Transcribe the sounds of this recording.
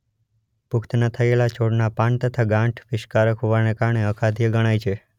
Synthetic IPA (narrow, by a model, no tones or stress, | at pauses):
pʊkt̪nat̪ʰəelat͡ʃʰoɽnapãɳt̪ət̪ʰaɡãʈʰʋɪʃkaɾəkɦoʋanekaɾɳeəkʰad̪ʱjəɡəɽ̃ajt͡ʃʰe